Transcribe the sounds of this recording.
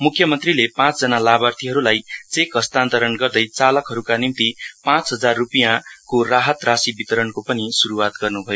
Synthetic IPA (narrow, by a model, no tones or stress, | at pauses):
mukʰjʌmʌnt̪rilepãt͡sd͡zʌnalabart̪ʰiɦʌɾulajt͡sekɦʌst̪ant̪ʌɾʌnɡʌrd̪ʌjt͡salʌkɦʌɾukanimt̪ipãt͡sɦʌd͡zarːupijakoraɦʌt̪rasibit̪ʌɾʌnkopʌnisuɾuwat̪ɡʌrnubʱʌjo